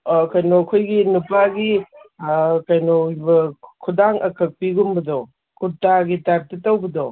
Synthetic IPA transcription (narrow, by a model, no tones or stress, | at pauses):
kɐjnokʰojɡinupaɡi | kajnobɐkʰudaŋʔɐkʰɐk̚piɡumbɐdɔ | kutaɡitaɾ̚titːawbɐdo